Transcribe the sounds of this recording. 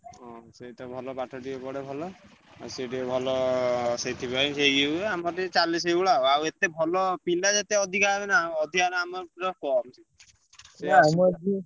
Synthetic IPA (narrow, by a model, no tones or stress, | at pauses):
ɦɔ̃seʈɔbʱɔlɔpaʈʰɔʈiebɔɽebʱɔlɔ | aseʈiebʱɔlɔset̪ʰibajseɡiueamɔɾet͡ʃalis̬ejuɭaoawet̪ebʱɔlɔpilad͡ʒat̪eɔd̪ʱikaɾenaɔd̪ʱikaɾaamɔɾɔkɔmsʰi | smɔd͡ʒi